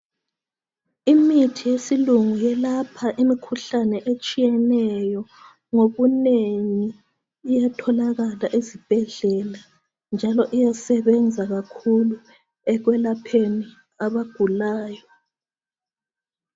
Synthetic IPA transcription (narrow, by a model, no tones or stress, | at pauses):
imitʰijesiluŋujɛlapʰaʔimikʰuɬanɛʔet͡ʃʼijɛnɛjɔ | ŋoβuneŋiː | jatʰɔlaɣalaʔizib̥ʱɛɮɛla | nd͡ʒʱalɔʔijasɛβɛnd͡zʱaɣakʰulu | ɛɣwɛlapʰeni | aβaɡ̥ʱulaːjɔ